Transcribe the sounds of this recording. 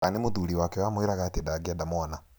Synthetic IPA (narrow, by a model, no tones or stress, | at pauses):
anemoðuɾiwakɛwamweɾaɣatedaɡadamɔna